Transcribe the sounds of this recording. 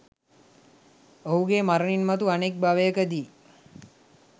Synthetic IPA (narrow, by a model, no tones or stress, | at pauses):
oɦuɡemaɾəninmat̪uanek̚baʋəjəkəd̪iː